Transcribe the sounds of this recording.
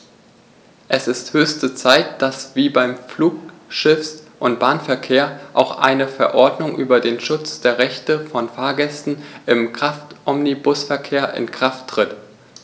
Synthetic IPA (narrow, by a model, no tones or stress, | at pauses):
ʔɛsɪsthøːçstət͡saɪtd̥asv̥iːbaɪmfluːkʃɪfsʔʊntb̥aːnfɛɐkʰeːɐʔaʊxʔa̰ɪnəfɛɐʔɔɐdnʊŋʔyːbɐdeːnʃʊt͡sd̥eːɐʁɛçtəfɔnfaːɐɡɛstn̩ʔɪmkʁ̥aftʔɔmnibʊsfɛɐkʰeːɐʔɪ̰nkʁ̥aftːʁ̥ɪt